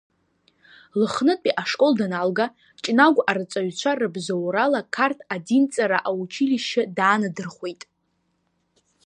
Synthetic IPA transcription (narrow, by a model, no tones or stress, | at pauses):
lɨχnɨtʼiʔaʂkʼo̞ldanalɡa | t͡ʃʼnaɡʷaɾɨt͡sʼaɥt͡ɕʷʰarɨbzawɾalakʰartʰadint͡sʼaɾaʔawut͡ʃʰiliʃɪdaːnɨdɨrχʷwe̞jtʼ